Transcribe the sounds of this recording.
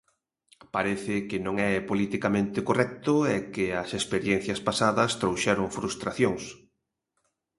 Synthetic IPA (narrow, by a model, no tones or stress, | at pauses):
paɾeθɪkɪnõŋɛpolit̪ikamẽnt̪ɪkorɛk̚t̪ʊɛkɪɐsespeɾjɛn̟θjɐspasaðɐst̪ɾowʃɛɾoŋfɾust̪ɾaθjoŋs